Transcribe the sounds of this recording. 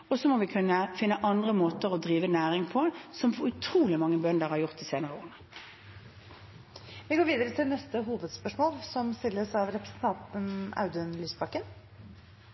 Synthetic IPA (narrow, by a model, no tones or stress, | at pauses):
ɔsɔmɔʋɪkʰʉnːəfɪnːəʔɑnd̪ʁəmoːt̪əʁɔd̪ʁiːʋənæːʁɪŋpʰɔsɔmpʰɔʉt̪ʰɾuːlɪmɑŋːəbœnd̪əʁhɑʁjʊʁt̪d̪iːseːnəʁəoːʁənə | ʋɪɡoːɾʋiːd̪əɾət̪ʰɪlnɛst̪əɦuːʋəd̪spœʂmoːlsɔmst̪ɪlːəɾsɑʋɾɛpɾə̥sən̩t̪ʰɑnt̪ənɑ̰ʉd̪ənlyːsbɑkən